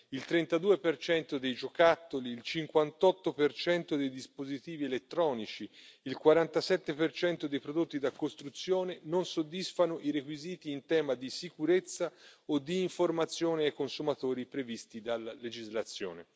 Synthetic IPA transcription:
ilt̪ɾɛnt̪ad̪uːepert͡ʃɛnt̪od̪ejd͡ʒokat̪ːoliːlt͡ʃiŋkwant̪ɔt̪ːopert͡ʃɛnt̪od̪ejd̪ispozit̪iːvielet̪ːɾɔːnit͡ʃiilkwaɾant̪asɛt̪ːepert͡ʃɛnt̪od̪ejpɾod̪ot̪ːid̪akːost̪ɾut̪sːjoːnenonsod̪ːisfanoʔiɾekwiziːt̪iːnt̪ɛːmad̪isikuɾet̪sːaod̪ːiːɱformat̪sːjoːneajkonsumat̪oːɾipɾevist̪id̪alːaled͡ʒizlat̪sːjo̰ːne

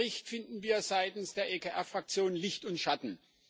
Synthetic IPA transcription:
ɪçtfɪndn̩viːɐzaɪtn̩sd̥eːɐʔekʰeʔɛɐfʁ̥ak̚t͡sjoːnənlɪçtʊntʃatn̩

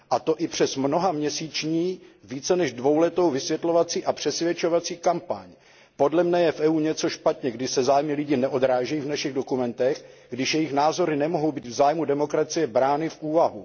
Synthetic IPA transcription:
ʔat̪o̞ʔɪpr̝̥ɛsmno̞ɦamɲɛsiːt͡ʃɲiːviːt͡sɛnɛʒdvo̞wlɛt̪o̞wvɪsvjɛt̪lo̞vat͡siːʔapr̝̥ɛsvjɛt͡ʃo̞vat͡siːkampaɲ | po̞dlɛmnɛjɛfʔɛuːɲɛt͡so̞ʃpat̪ɲɛɡdɪsɛzaːjmɪlɪɟiːnɛʔo̞d̪ɾaːʒɛjivnaʃɪɣdo̞kumɛnt̪ɛxɡdɪʃjɛjɪxnaːzo̞ɾɪnɛmoɦo̞wbiːt̪vzaːjmudɛmo̞kɾat͡sɪjɛbɾaːnɪfʔuːvaɦu

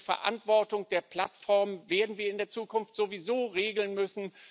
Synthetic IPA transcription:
fɛ̰ɐʔa̰ntv̥ɔɐtʊŋd̥eːɐpʰl̥atfɔɐmveːɐdn̩viːɐɪndeːɐt͡suːkʰʊnftz̥ovizoːʁeːɡl̩nmʏsn̩

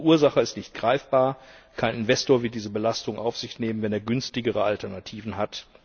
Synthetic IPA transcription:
ʔuːɐzaχəɪstnɪçt̚ɡ̥ʁaɪfb̥aːɐkʰaɪnɪnvɛstoːɐvɪɐtdiːzəbəlastʊŋʔaʊfz̥ɪçtneːmənvɛneːɐɡʏnstɪɡəʁəaltɛɐnatʰiːvn̩ɦat

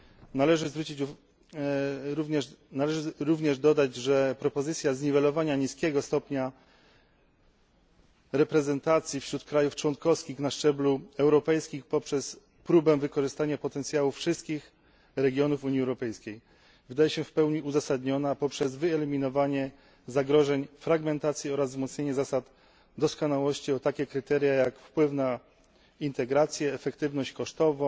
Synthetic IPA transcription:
nalɛʐɘzvɾut͡ɕit͡ɕ | ɾuvɲɛnalɛʐɘɾuvɲɛʐd̪ɔd̪ad͡ʑʐɛpɾɔpɔzɘt̪sʲjazɲivɛlɔvaɲaɲiskʲɛɡɔst̪ɔpɲa | ɾɛpɾɛzɛnt̪at̪sʲjifɕɾut̪kɾajuft͡ʂwɔŋkɔfskʲixnaʂt͡ʂɛbluɛwɾɔpɛjskʲixpɔpʂɛs | pɾubɛvɘkɔʐɘst̪aɲapɔt̪ɛnt̪sʲjawufʂɘst̪̚kʲix | ɾɛɡʲjɔnufuɲiɛwɾɔpɛjskʲej | vɘd̪ajɛɕɛfpɛwɲiʔuzasad̪ɲɔnapɔpʂɛzvɘɛlimʲinɔvaɲɛ | zaɡɾɔʐɛɲfɾaɡmɛnt̪at̪sʲjiɔɾazvmɔt̪sɲeɲɛzasat̪ | d̪ɔskɔnawɔɕt͡ɕiɔt̪akʲɛkɾɘt̪ɛɾʲjajakfpwɘfna | int̪ɛɡɾat̪sʲjɛːfɛkt̪ɘvnɔɕt͡ɕkɔʂt̪ɔvɔ̃

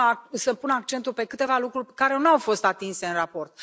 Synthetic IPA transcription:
asəpunəak̚t͡ʃe̞nt̪ulpe̞kɨt̪e̞valukɾurʲpekaɾenawfo̞st̪at̪inse̞ɨnrapo̞rt̪̚

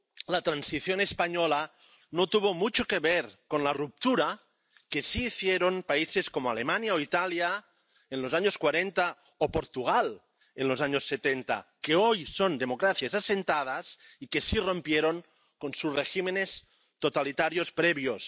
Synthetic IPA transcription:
lat̪ɾansiθjonespaɲola | not̪uβomut͡ʃokeβeɾkonlarup̚t̪uɾa | kesiːθjeɾonpaiseskomoalemanjaoit̪alja | enlozaɲoskwaɾent̪a | opoɾt̪uɣ̞al | enlozaɲosːet̪ent̪a̰keojsond̪emokɾaθjazasent̪að̞az | ikesiro̞mpjeɾoŋ | konsuzreximenes | t̪ot̪alit̪aɾjospɾeβjos

